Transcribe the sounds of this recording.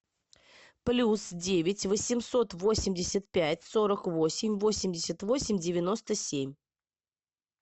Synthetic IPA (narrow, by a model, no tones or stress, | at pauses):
plʲusdʲevʲɪtʲvəsʲɪmso̞t̪vo̞sʲɪmʲdʲɪsʲət̪̚pʲætʲso̞ɾəkvo̞sʲɪmʲvo̞sʲɪmʲdʲɪsʲət̪vo̞sʲɪmʲdʲɪvʲɪno̞st̪əsʲemʲ